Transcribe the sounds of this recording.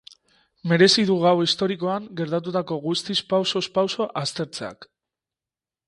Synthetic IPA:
me̞ɾe̞siðuɣawist̪o̞ɾiko̞aŋɡe̞ɾt̪at̪̬ut̪ako̞ɣust̪ispawso̞spawso̞ʔast̪e̞ɾt͡se̞a̰k

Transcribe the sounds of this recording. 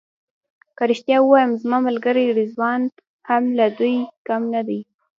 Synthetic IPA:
kaɾiʃt̪jɑuwɑjəmzmɑmalɡəɾeɽizwɑn | hamlad̪ujkamnad̪aj

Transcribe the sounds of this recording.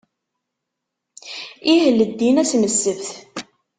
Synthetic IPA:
iɦəlːəd̪ːinæsməsːəvθ

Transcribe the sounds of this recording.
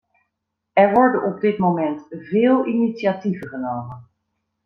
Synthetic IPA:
ɛɹʋɔɹdənʔɔb̚dɪtmowmɛntvɪːlˠinitsiativəχənowmən

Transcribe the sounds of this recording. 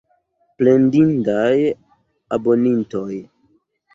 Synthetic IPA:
plendindaj | abo̞ninto̞j

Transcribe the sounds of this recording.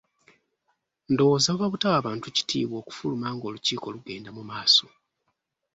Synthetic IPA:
ndo̞woːzaβaβutawaːβaːntuci̥tʰḭːβwo̞ːku̥fulumaːŋɡo̞luciːko̞ːluɡe̞ːndamumaːso̞

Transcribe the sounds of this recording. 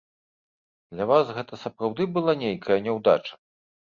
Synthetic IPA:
d̪̥lʲɐvasɣɛt̪ɐsɐpɾawd̪ɨbɨlˠanʲejkʰɐjɐnʲɛwd̪a̰t͡ʂɐ̥

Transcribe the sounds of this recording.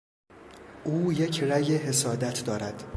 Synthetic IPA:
ʔuːje̞cʰræjeɦe̞sɒːd̪æt̪ʰd̪ɒːɾæd̪̥

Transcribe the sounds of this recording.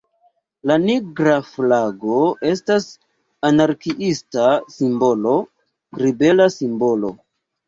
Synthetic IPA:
laniɡɾaflaɡo̞e̞stas | anaɾkiʔistasimbo̞lo̞ | ɡɾibe̞lasimbo̞lo̞̰

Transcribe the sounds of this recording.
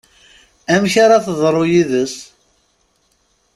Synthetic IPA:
æmçaɾaθəðˤɾˤojiðəs

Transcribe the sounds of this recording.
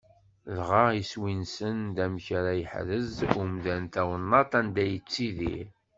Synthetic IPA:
lʁɑʁiswinsənd̪æmçaɾajəħɾəzumðænt̪æwənːɑt̪ˤænd̪æjət͡sːiðḭɾ

